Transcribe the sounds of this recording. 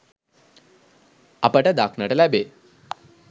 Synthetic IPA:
ɐpəʈəd̪akʰnəʈəlæbe

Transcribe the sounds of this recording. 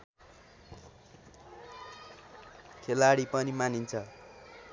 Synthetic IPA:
kʰelaɽipʌnimanint͡sʰʌ

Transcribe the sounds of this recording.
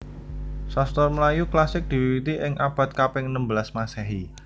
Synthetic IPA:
sɔst̪ɔrməlajuklasɪk̚d̪̥i̤wiwit̪iʔɪŋʔab̥a̤t̪̚kapɪŋnəmbəlasmasɛɦi

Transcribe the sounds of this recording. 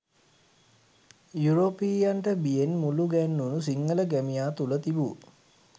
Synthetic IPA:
juɾopiːjaɳʈəbijenmuluɡænːunus̬iŋːələɡæmijaːt̪ulət̪ibu

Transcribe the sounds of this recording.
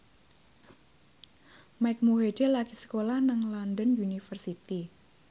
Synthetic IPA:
maɪk̚muɦedelakisə̥kolahnaŋlɔndənunifərsit̪i

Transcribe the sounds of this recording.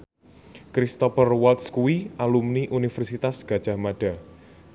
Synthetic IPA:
kɾist̪ɔfərwalt̪skuiʔalumniʔunifɛrsit̪asɡ̥a̤d̥ʒ̥a̤hmaɖ̥a̤

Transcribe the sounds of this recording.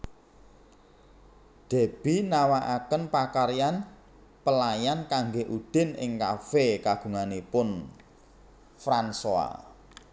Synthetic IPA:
d̪̥e̤b̥inawaʔakənpakaɾjan | pəlajankaŋɡeʔud̪̥ɪ̤nɪ̰ŋkafekaɡ̥ṳŋanipʊn | fɾansoa̰

